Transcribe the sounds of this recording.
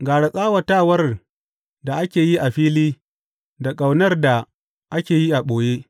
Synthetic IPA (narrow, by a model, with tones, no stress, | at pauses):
ɡaː˨ɽa˨sʼaː˦wɐ˨taː˦wɐ˦r | da˨ʔa˦kʲeː˨ji˦ʔa˨ɸiː˦liː˦ | da˨kʼa˨wnɐ˦rda˨ | ʔa˦kʲeː˨ji˦ʔa˨ɓoː˨jeː˦